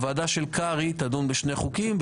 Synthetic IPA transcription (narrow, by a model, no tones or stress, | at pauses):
vaːdaʃelkaʁit̪ad̪unbeʃne̞jχukimv